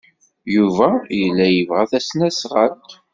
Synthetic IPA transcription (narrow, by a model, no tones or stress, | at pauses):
juvæjəlːæjəvʁæθæsnæsʁəlt̪